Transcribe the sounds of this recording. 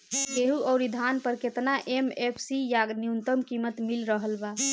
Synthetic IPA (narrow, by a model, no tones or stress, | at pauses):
keɦuʔɔʊɾid̪ʱanpəɾket̪naʔemepʰsijaɡnijunt̪əmkimət̪milɾəɦəlba